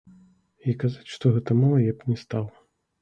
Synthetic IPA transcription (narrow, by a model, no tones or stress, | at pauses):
ikazat͡sʲʂt̪ɔɣɛt̪ɐmalˠɐjɛpnʲɛst̪alˠɐ